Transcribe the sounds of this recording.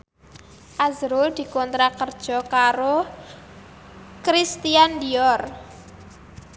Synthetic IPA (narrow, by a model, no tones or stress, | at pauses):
ʔazɾuld̪̥i̤kɔnt̪ɾakərd̥ʒ̥ɔ̤kaɾo | kɾist̪iandiɔr